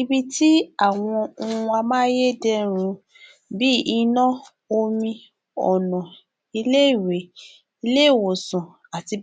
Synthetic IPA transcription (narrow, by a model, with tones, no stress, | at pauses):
i˧bi˧ti˦a˦˨w̃ɔ̃˧o˧ũ˧a˧mãː˦je˦˨dɛ˦ɾ̃ũ˧ | bi˦i˧nɔ̃˦ | o˧mĩ˧ | ɔ˨nɔ̃˨ | i˧le˦i˦˨we˨ | i˧le˦˨wo˨sũ˨ | a˨ti˧